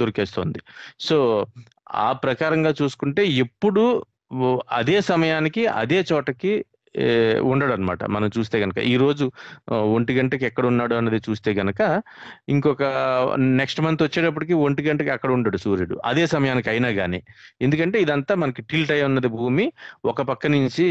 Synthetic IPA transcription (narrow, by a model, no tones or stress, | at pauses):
d̪uɾkeːst̪o̞̰ːnd̪iso̞ː | a̰ːpɾɐkaːɾɐŋɡaːt͡ʃuːsu̥kuɳʈe̞ːepːuɽu | ɐd̪eːsɐmɐjaːnikiɐ̰d̪e̞ːt͡ʃɔːʈɐki | uɳɖɐɽɐnɐma̰ːʈɐ̰mɐnɐmt͡ʃuːst̪e̞ːɡɐnɐkɐ̰ʔiːɾo̞ːd͡ʒuoɳʈiɡɐɳʈɐkiɛkːɐɽɐunːaːɽuɐnːɐd̪it͡ʃuːst̪e̞ːɡɐnɐkɐiŋkɔkɐneksʈmɐnt̪ʋɐt͡ʃːeːʈɐp̬ːuɽikioɳʈiɡɐɳʈɐkiɐkːɐɽɐuɳɖaːɽusuːɾeɽṵʔɐ̰d̪e̞ːsɐmɐjaːnikɐjnaːɡaːnḭːe̞nd̪ukɐɳʈe̞ːid̪ɐnt̪aːmɐnɐkiʈilʈɐjmunːɐd̪ibʱuːmiɔkɐpɐkːɐniɲt͡ʃi